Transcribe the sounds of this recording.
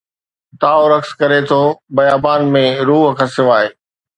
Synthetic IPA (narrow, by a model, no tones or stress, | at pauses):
t̪aːoɾɐkskɐɾet̪ʰoːbɐjaːbaːnmẽɾuːɦkʰãːsɪʋaːeː